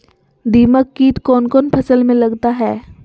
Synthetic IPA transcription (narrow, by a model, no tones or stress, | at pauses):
d̪iːməkːiːt̪kɔːnkɔːnpʰɐsəlmẽlɐɡt̪aɦɛː